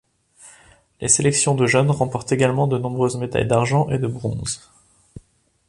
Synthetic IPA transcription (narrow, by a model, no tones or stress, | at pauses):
lʔeselɛksjɔ̃d̪əʒœnʁɑ̃pɔʁt̪eɡalmɑ̃d̪ənɔ̃bʁøzmed̪a̰jd̪aʁʒɑ̃ʔed̪əbʁɔ̰̃z